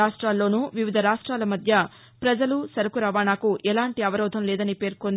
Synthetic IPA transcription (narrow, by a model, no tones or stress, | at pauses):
aːʂʈɾaːlːo̞ːnuʋiʋid̪ʱɐɾaːʂʈɾaːlɐmɐd̪ʱjɐ | pɾɐd͡ʒɐlusɐɾɐkuɾɐʋaːnaːkuʔɛlaːɳʈiɐʋɐɾɔːd̪ʱɐmlɛːd̪ɐnipe̞ːɾkond̪